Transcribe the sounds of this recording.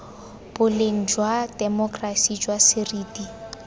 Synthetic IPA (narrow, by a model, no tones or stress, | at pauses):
b̥ʊleŋ̩d͡ʒwad̥ɛmɔkʼrasid͡ʒwasɪriːdi